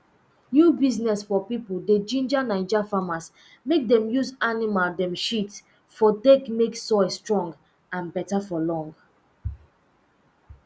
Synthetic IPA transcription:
jubiznɛsfɔpipulded͡ʒĩnd͡ʒanãnd͡ʒafamas | mek̚dɛ̃mjuzanimaldɛ̃mʃit | fɔdekmeksɔɪstɹɔ̃ŋɡ | ãnbɛtafɔlɔ̃ŋɡ

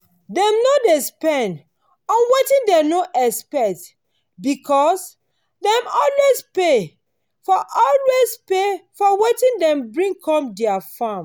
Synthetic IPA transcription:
dɛ̃mnodespɛ̃n | ɔ̃nwetĩndɛnoʔɛspɛt | bikʰɔs | dɛ̃mɔlwespe | fɔʔɔlwespefɔwetĩndɛ̃mbɹĩŋkʰɔ̃mdɛafãm

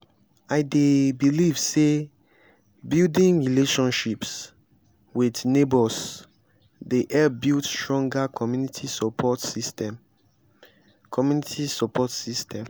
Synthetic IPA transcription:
aɪdebilivse | bildĩŋɹileʃɔ̃nʃips | widnebɔs | deʔɛbidstɹɔ̃ŋɡakʰɔmjunitʰisɔpʰɔtsistɛm | kʰɔmjunitʰisɔpʰɔtsistʰɛ̃m

